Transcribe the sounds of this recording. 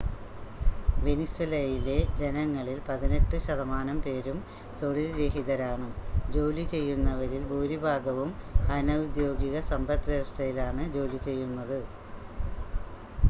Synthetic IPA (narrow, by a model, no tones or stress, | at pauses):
ʋeniswelɐjile̞d͡ʑe̞nɐŋːɐɭilpɐðine̞ʈːɨɕɐðɐmaːnɐmpe̞ːɾum | t̪o̞ɭilɾe̞ɦiðɐɾaːɳɨd͡ʑo̞ːlit͡ɕe̞jːunːɐʋɐɾilbuːɾibʱaːɡɐʋumhɐnɐʋud̪jo̞ːɡiɣɐsɐmbɐt̪ːʋeʋɐst̪ʰɐjilaːɳɨd͡ʑo̞ːlit͡ɕe̞jːunːɐðɨ